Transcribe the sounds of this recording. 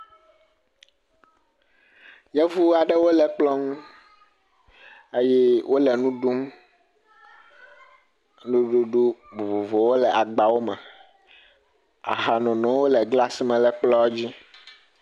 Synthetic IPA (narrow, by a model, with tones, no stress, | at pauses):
jɛ˦vu˦a˨ɖɛ˦wo˦lɛ˨k͡plɔ˦ŋũ˦ | e˦jɛ˦wʔo˦lɛ˨nũ˦ɖu˦m | ɖo˨ɖo˨ɖo˦bo˨vo˨vo˨wo˦lɛ˨ʔa˨ɡ͡ba˨wo˦mɛ˨ | a̰˨ɦa˨nɔ̃˨nɔ̃˨˦wo˦lɛ˨ɡla˦si˦mɛ̃˨lɛ˨k͡plɔ˦d͡ʑi˦